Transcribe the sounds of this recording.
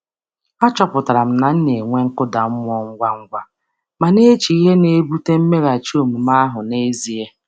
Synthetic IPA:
a˦t͡ʃɔ˦pʊ˨ta˨ɾa˨m̩˦na˨n̩˦ne˨ŋʷe˦ŋ̩˦kʊ˦da˨m̩˦m˦ɔ˦ŋ̩˦ɡʷa˦ŋ̩˦ɡʷa˦ | ma˨ne˦t͡ʃi˨i˦ɦe˦ne˦bu˦te˦m̩˦me˦ɾa˨t͡ʃi˦o˦˨mu˨m˦a˦ɦʊ˨ne˦zi˦e˦

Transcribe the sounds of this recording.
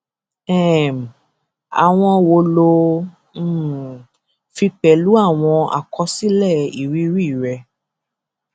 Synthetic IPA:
ɛ̃˦˨m˨ | a̰˨w̃ɔ̃˧wo˧lõ˧˦˨ | fi˧k͡pɛ˨lu˦a˦˨w̃ɔ̃˧a̰˨kʰɔ˧˦si˦lɛ˦˨i˨ɾi˦ɾi˦˨ɾɛ˧

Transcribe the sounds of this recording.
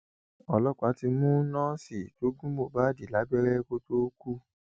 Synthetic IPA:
ɔ˧˨lɔ˦kɔ˦˨a˨˦ti˧mũ˦nã˦si˨to˨˦ɡũ˦mo˦˨ba˦di˨la˨˦ɡ͡bɛ˦ɾɛ˦ko˧to˦ku˦

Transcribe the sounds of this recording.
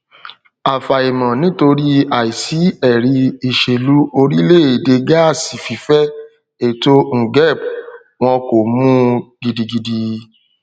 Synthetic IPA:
a˨fa˨i˨mã˨nĩ˦to˧ɾi˦a˨i˨si˨˦ɛ˦˨ɾi˧i˨ʃe˨lu˨˦o˧ɾi˦le˦˨e˨de˧ɡa˦˨si˨fi˨˦fɛ˦ | e˨to˧ŋ̩˨ɡɛ˦˨b | w̃ɔ̃˧ko˨mũ˦ɡ̥i˧di˧ɡi˧di˧

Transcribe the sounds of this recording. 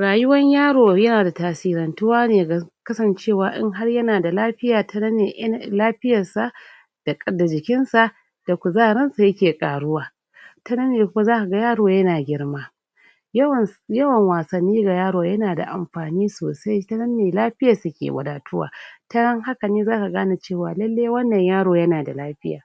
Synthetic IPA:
ɽaː˨jʊ˦wɐ˦ɲjaː˦ɽoː˨jɐ˦naː˨da˨taː˨siː˦ɾɐ˨ntʊ˦waː˦neː˨ɡa˨kɐ˦sɐ˨nt͡ʃeː˦˨waː˨ʔɪ̰˦ŋɦa˦rjɐ˦naː˨da˨laː˦ɸɪ˦jaː˨tʰɐ˦nɐ˦nːeː˨ʔlaː˦ɸɪ˦jɐ˨sa˨ʔ | d̥a˨kʼɐ˨da˨d͡ʒɪ˨kʲɪ˦nsa˨ʔ | d̥a˨kʷu˨zaː˦˨ɽɐ˦nsa˨jɐ˦kʲeː˨kʼaː˨ɽʊ˦waː˨ | tɐ˦nɐ˦nːeː˨kʷʊ˦ma˦zaː˦ka˨ɡɐ˦jaː˦ɽoː˨jɐ˦naː˨ɡʲɪ˦rmaː˦˨ | jɐ˦wɐ˨ŋwaː˨sɐ˨nːiː˦ɡa˨jaː˦ɽoː˨jɐ˦naː˨da̰˨ʔa̰˨mɸaː˨niː˦so̰ː˨sa˦jtɐ˦nɐ˦nːeː˨laː˦ɸɪ˦ja˨su˦kʲḛː˨wʷɐ̰˨daː˨tʊ˦wa̰ː˨tɐ˦ɽɐ˦ŋha˦kɐ˨niː˦zaː˦ka˨ɡaː˦na˨t͡ʃeː˦˨waː˨lɐ˦lːeː˦wɐ˦nːɐ˨ɲjaː˦ɽoː˨jɐ˦naː˨da˨laː˦ɸɪ˦ja̰ː˨

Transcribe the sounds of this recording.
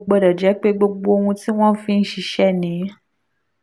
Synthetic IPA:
ɡ͡bɔ˧dɔ˨d͡ʒɛ˨˦k͡pe˦ɡ͡bo˧ɡ͡bo˧o˧ũ˧ti˦w̃ɔ̃˦n̩˦fĩ˦n̩˦ʃi˧˦ʃɛ˦˨nĩ˨˦

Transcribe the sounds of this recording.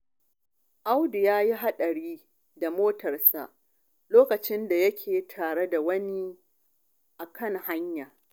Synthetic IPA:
ʔa˦wdɪ˨jaː˦ji˦ɦa˦ɗɐ˨ɽiː˦ | da˨moː˦tɐ˨rsa̰˨ʔ | loː˦kɐ˨t͡ʃɪ˦nda˨jɐ˦kʲʰeː˨tʰaː˨ɽe˦da˨wɐ˦ni˦ | ʔa˨kʰɐ˦˨ŋha˦ɲjaː˨

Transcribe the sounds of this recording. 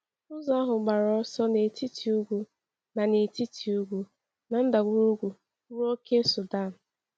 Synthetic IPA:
ʊ˦za˦ɦʊ˨ɡ͡ba˨ɾɔ˨˦sɔ˦ne˨ti˦tʰi˨u˦ɡʷu˦ | na˨ne˨ti˦tʰi˨u˦ɡʷu˦ | na˨n̩˦da˨ɡʷu˦ɾu˦ɡʷu˨˦ | ɾo˦ke˦sʊ˨da˦˨n̩˨

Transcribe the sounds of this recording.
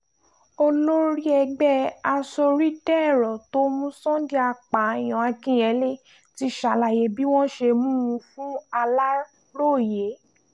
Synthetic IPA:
o˧lo˦ɾi˦ɛ˧ɡ͡bɛ˦a˧so˧ɾi˦dɛ˦˨ɾɔ˨to˦mũ˦sɔ̃˦di˦a˧k͡pa˨˦˨j̃ɔ̃˨a˧kĩ˦ɛ˨˦le˦ | ti˧ʃa˨la˨je˨bi˦w̃ɔ̃˦ʃe˧mũ˦ũ˧˦fũ˦a˧la˦ | ɾo˦˨je˨˦

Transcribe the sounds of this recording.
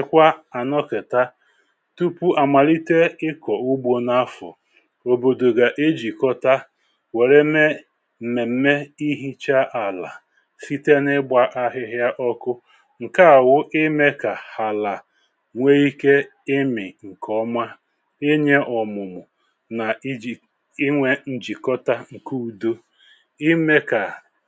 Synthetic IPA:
ɪ˨kʷa˦a˨nɔ˦kɪ˨ta˦ | tu˦pu˦ʔa˨ma˨li˦te˦ɪ˦kɔ˨u˦ɡ͡bʷo˨na˦fɔ̰˨ | o˨bo˨do˨ɡa˨ʔe˦d͡ʒi˨kɔ˦ta˦ | we˨ɾe˦me˦˨ | me˨m̩˦me˦i˦ɦi˦t͡ʃa˦ʔa˨la˨ | fi˦te˦nɪ˦ɡ͡ba˦ʔa˦ɦɪ˦ɦja˦ʔɔ˦kʊ˦ | ŋ̩˨ka˦a˨wʊ˦ʔɪ˦me˦ka˨ha˨la˨ | ŋʷe˦i˦ke˦ | ɪ˦mɪ˨ŋ̩˨kɔ˦mʷa˦ | e˦ɲe˦ʔɔ˨mʊ˨mʊ˨ | na˨ | ɪ˦ŋʷe˦n̩˦d͡ʒi˨kɔ˦ta˦ŋ̩˨ku˦u˨do˦ | i˦me˦ka˨

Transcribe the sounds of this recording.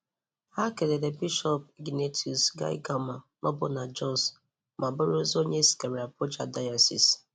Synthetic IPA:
ha˦ke˨de˨de˨bi˦ʃɔ˦p̚ɡi˨ne˦tʰi˨u˨sɡa̰˦ḭ˦ɡa˨ma˨ | ma˦bʊ˦na˨d͡ʒɔ˦s | mʔa˨bʊ˦ɾo˦zo˦ɲe˦si̥˨ke˨ɾi˨a˨po˦d͡ʒa̰˨da˦ja˨sḭ˨s

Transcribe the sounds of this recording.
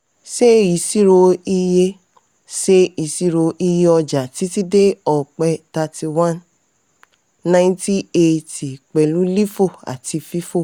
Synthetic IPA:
ʃe˦i˨si˦ɾo˧i˧je˧ | ʃe˦i˨si˦ɾo˧ʔi˧je˧ɔ˧d͡ʒa˨ti˨˦ti˦de˦ɔ˨k͡pɛ˧ta˧ti˧wã˦n | nã˧ĩ˦ti˦e˧ti˨k͡pɛ˨lu˨˦li˦fo˦˨a̰˨ti˧fi˦fo˦˨

